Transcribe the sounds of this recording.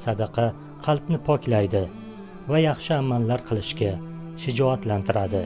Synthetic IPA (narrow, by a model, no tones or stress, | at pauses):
sad̪ɑqʰɑ | qʰɑlˠpnɪpʰɒkʲlajd̪ɪ | vajɑχʃɪamanlaɾqʰɨlˠɪʃkʲa | ʃɪd͡ʒɒat̪lant̪ʰɪɾad̪ɪ